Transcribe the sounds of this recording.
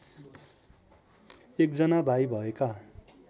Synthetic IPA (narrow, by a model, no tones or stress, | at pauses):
ek̚d͡zʌnabʱajbʱʌeka